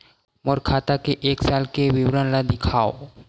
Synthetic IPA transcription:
moɾkʰat̪akeʔeksalkebibɾanlad̪ikʰao

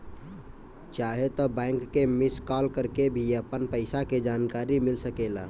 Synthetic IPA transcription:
t͡ʃaɦet̪ɔbãɪŋkːemɪskɔlkəɾkebʱiəpənpəɪsaked͡ʒaːnkaɾimɪlsəkela̰

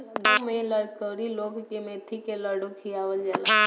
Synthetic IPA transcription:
d̪umẽləɽkəɾiloːɡkemet̪ʰikeləɽukʰijaːʋəld͡ʒɛːla

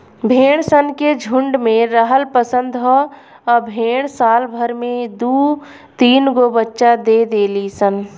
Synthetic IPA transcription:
bʱeːɽ̃sənked͡ʒʱʊ̃ɳɖmẽɾəɦəlpəsə̃nd̪ɦɔ | ɔːɾbʱeːɽ̃saːlbʱəɾmẽd̪uː | t̪iːnɡobətːʃad̪eːd̪eːlisən

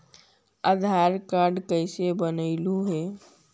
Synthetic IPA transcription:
əd̪ʱaɾkaɾɖkəɪsebənəɪluɦe

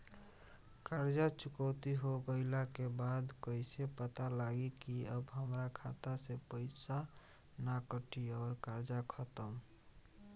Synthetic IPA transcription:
kaɾd͡ʒat͡ʃʊkəʊt̪iɦoɡəɪlakebad̪kəɪsepət̪alaɡikiəbɦəmɾakʰat̪asepəɪsa | nakəʈiɔːɾkaɾd͡ʒakʰət̪əm

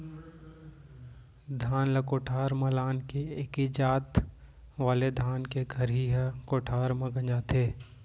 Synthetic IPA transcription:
d̪ʱaːnlɐkoːʈʰaːɾmɐlaːnkeekid͡ʒaːt̪ | ʋaːled̪ʱaːnkeɡʱɐɾɦiɦkoːʈʰaːɾmɐ̃ɡə̃ɲd͡ʒaːt̪ʰeː

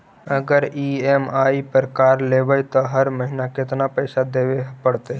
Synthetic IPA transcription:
əɡəɾiːemaːipəɾəkaːɾleːʋəjt̪oɦəɾməɦɪnakɪt̪napəɪsad̪eːʋepəɽt̪e

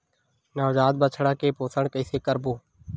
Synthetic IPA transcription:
naːd͡ʒaːd̪̚bət͡ʃʰɽaːkeːpoːsəɳkəɪseːkəɾboː

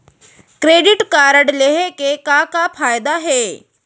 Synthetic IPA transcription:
kɾeːɖɪʈkaːɾəɽleɦekekakapʰaːjd̪aɦɛː

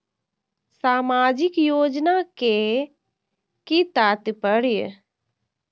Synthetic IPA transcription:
saːmaːd͡ʒɪkjoːd͡ʒnake | kit̪aːt̪pəɽij̰

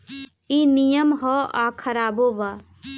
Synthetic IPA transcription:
inijəmɦɔakʰɐɾaːboba

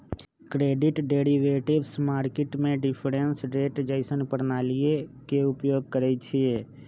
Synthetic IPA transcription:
kɾeːɖɪʈɖeːɾiʋeːʈɪbsmaːɾkɪʈmẽɖɪpʰɾensɾeːʈd͡ʒəɪsənpəɾnaːlijekeʊpjoːɡ̚kəɾɛt͡ʃʰieː

